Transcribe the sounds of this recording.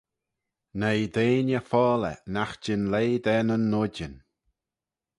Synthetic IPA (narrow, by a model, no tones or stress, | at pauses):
nejd̪eːnʲəfɔːlɛ̰naxd͡ʒɪnleːd̪ɛnənːʊdən